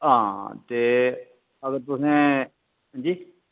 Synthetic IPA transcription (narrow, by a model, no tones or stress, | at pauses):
ɦãːt̪eː | əɡəɾt̪ʊsẽː | ɦə̃d͡ʒiː